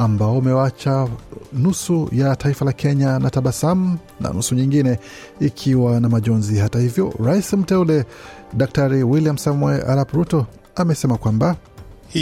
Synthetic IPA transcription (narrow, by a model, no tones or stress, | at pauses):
ambaɔumɛwat͡ʃanusujataifalakʰɛɲanataɓasam̩ | na̰nusuɲiŋɡinɛ | ikʰiwanamaʄɔnzihatahivjɔ̰ɾaisim̩tɛulɛɗak̚taɾiwiliam̩samwɛʔa̰ɾapuɾutɔ | amɛsɛmakwambah